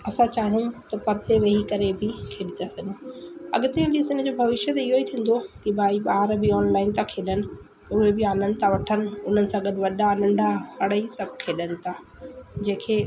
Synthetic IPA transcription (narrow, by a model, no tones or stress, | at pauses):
ɐsãt͡ɕaːɦɪnũt̪ɐpɐɾt̪eʋɐɦikɐɾebʱɪkʰeːɗɪt̪asɐ̃ɲũɐ̰ɠʊt̪eɐliːsɪnə̆d͡ʑoːbʱɐʋɪʃət̪ɪɦoit̪ʰĩːn̆d̪okibaːiɓaːɾbɪɔːnlaːɪnt̪ʰakʰeːɗənɪ̆ | ʊɦebɪaːnə̃nt̪ʰaʋɐʈʰənɪ̆ʊn̤ənɪ̆sãɡɐɗɪʋɐɗaːnə̃ɳɖʱaɦɐɽəisɐbʱkʰeːɗənɪ̆t̪ʰaː | d͡ʑẽːkʰeː